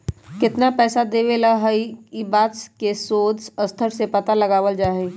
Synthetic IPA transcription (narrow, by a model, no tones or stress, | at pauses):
kɪt̪napɛːsad̪eːʋelaɦəiibaːt̪skesoːd̪səst̪ʰəɾsepɐt̪aləɡaːʋəld͡ʒaːɦẽː